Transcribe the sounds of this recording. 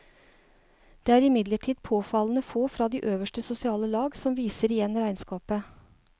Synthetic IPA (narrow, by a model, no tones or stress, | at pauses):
d̪̥eːæːɾɪmɪd̪ləʈʰiːd̪̚pʰoːfɑln̩əfoːfɾɑːd̪iːʔøːʋəʂʈəsʊsɪɑːləlɑːɡsɔmʋiːsəɾɪjɛnɾæɪnskɑːpə